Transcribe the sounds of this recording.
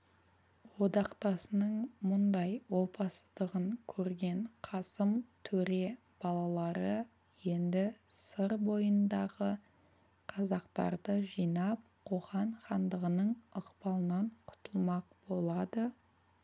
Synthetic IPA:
wo̞d̪ɑqt̪ɑsənəɴmʊnd̪ɑjwo̞pɑsəd̪əʁəŋkʲʰɵɾɡʲe̞ɴqʰɑsəmt̪ʰɵɾe̞ | b̥ɑlˠɑlˠɑɾə | je̞nd̪ɪsəɾbo̞jənd̪ɑʁə | qʰɑzɑqt̪ɑ̰ɾd̪əʒijnɑp̚qʰo̞ʁɑɴχɑnd̪əʁənəɴəqpɑlˠənɑɴqʰʊ̥t̪əlˠmɑq̚bo̞lˠɑd̪ə

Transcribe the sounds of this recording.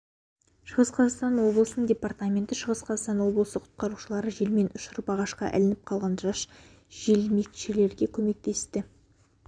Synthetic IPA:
ʃəʁəsqʰɑzɑqst̪ɑnwo̞blˠəsənəɴdʲe̞part̪amʲe̞nt̪ɪʃəʁəsqʰɑzɑst̪ɑnwo̞blˠəsəqʰʊ̥t̪̚qɑɾuʃəlˠɑɾəʒe̞lme̞nʔʊʃʊɾəpɑʁɑʃqɑ̰ʔæ̰lɪnɪp̚qʰɑlˠʁɑnʒɑʃ | ʒ̥e̞lme̞kʲʃele̞ɾɡʲe̞kʲʰɵme̞k̚t̪e̞st̪ɪ

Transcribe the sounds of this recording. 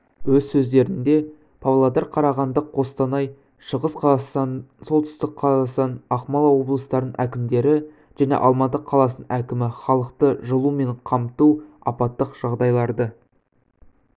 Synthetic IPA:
wɵzsɵzd̪e̞ɾɪnd̪e̞ | pʰavlˠad̪ɑɾqʰɑɾɑʁɑnd̪əqʰːo̞st̪ɑnɑj | ʃəʁəsq | so̞lˠt̪ʏ̥st̪ɪk̚qʰɑɑsɑnɑχmɑlˠɑwo̞blˠəst̪ɑɾd̪ənʔækʲɪmd̪e̞ɾɪ | ʒ̥ænḛʔɑlˠmɑt̪əqʰːɑlˠɑsənʔækʲɪmɪχɑlˠəqt̪əʒəlˠume̞ɴqʰɑmt̪uɑ̰pɑt̪ːəqʒ̥ɑʁd̪ɑjlˠɑɾd̪ə

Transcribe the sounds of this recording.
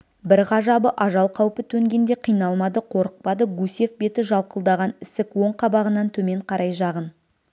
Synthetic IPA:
bɪɾʁɑʒɑbəʔɑʒɑlˠqʰɑwpət̪ʰɵŋɡʲe̞nd̪e̞qʰijnɑlˠmɑd̪əqʰo̞ɾəq̚pɑd̪əɡuse̞fbe̞t̪ɪʒɑlˠqəlˠd̪ɑʁɑnɪsɪkwo̞ɴqʰɑbɑʁənɑnt̪ʰɵme̞ɴqʰɑɾɑjʒɑʁən

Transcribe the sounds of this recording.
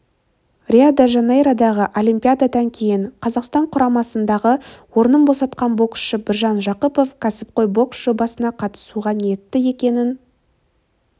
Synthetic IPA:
rʲiad̪aʒɑnejɾad̪ɑʁəʔolʲimpʲijad̪ad̪ɑŋkʲʰe̞jɪɴqʰɑzɑqst̪ɑɴqʰʊɾɑmɑsənd̪ɑʁəwo̞ɾnəmbo̞sɑt̪̚qɑnbo̞ksʃəbɪɾʒɑnʒɑqəpo̞fkʲʰæsɪp̚qo̞jbo̞ksʒ̥obɑsənɑqʰɑt̪ə̥suʁɑnjet̪ːɪe̞kʲe̞nɪn

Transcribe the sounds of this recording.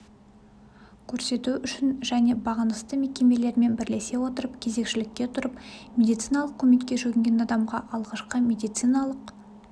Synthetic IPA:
kʲʰɵɾse̞t̪uʏʃɪnʒæne̞bɑʁənəst̪əme̞kʲe̞me̞le̞ɾme̞nbɪɾle̞se̞wo̞t̪əɾəpkʲʰe̞ze̞kʃɪlɪkʲːe̞t̪ʰʊɾəpmʲe̞d̪ijt̪sijnɑlˠəqkʲːʰɵme̞kʲːe̞ʒɵɡʲɪŋɡʲenɑd̪ɑmʁɑʔɑlˠʁɑʃqəmʲe̞d̪ijt̪sijnɑlˠəq

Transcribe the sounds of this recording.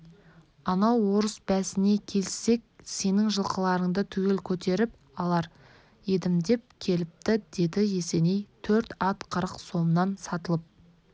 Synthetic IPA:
ɑnɑwːo̞ɾəsbæsɪne̞kʲʰe̞lsːe̞k̚ʲse̞nɪŋʒəlˠqəlˠɑɾəɴd̪ət̪ʰʏɡʲe̞lkʲʰɵt̪e̞ɾɪp | ɑlˠɑɾ | jed̪ɪmd̪e̞p̚kʲʰe̞lɪp̚t̪ɪd̪̥e̞d̪ɪje̞se̞ne̞jt̪ʰɵɾt̪ɑt̪qʰəɾəqso̞mnɑnsɑt̪əlˠəp̚

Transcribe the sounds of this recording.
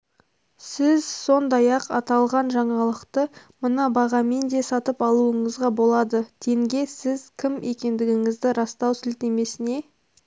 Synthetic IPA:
sɪzso̞nd̪ɑjɑqɑt̪ɑlˠʁɑnʒɑɴɑlˠəqt̪ə | mənɑbɑʁɑme̞nd̪e̞sɑt̪əpɑlˠuəɴəzʁɑbo̞lˠɑd̪ət̪ʰe̞ŋɡʲe̞sɪzkʲʰɪme̞kʲe̞nd̪ɪɡʲɪŋɪzd̪ɪɾɑst̪ɑwsɪlt̪e̞me̞sɪne̞

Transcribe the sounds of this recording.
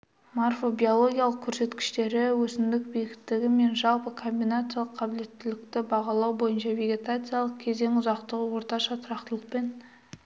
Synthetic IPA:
morfo̞bʲijo̞lˠo̞ɡʲijalˠəq̚kʲʰɵɾse̞t̪kʲɪ̥ʃt̪e̞ɾɪwɵsɪnd̪ɪk̚bejɡʲɪt̪ːɪɡʲɪme̞nʒɑlˠpəkʰo̞mbijnat̪sɨjalˠəqʰːɑbɪle̞t̪ːɪlɪk̚t̪ɪbɑʁɑlˠɑwbo̞jənʃɑve̞ɡʲe̞t̪at̪sɨjalˠəq̚kʲʰe̞ze̞ŋʊzɑqt̪əʁəwo̞ɾt̪ɑʃɑt̪ʰʊɾɑqt̪əlˠəqpe̞n

